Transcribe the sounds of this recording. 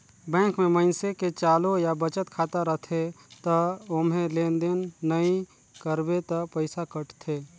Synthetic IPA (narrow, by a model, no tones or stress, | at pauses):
bɛ̃ːkmẽməɪnseket͡ʃaːlojabət͡ʃət̪kʰaːt̪aɾət̪ʰe | t̪əomɦẽleːnd̪enːəĩ | kəɾbet̪əpəɪsakəʈt̪ʰeː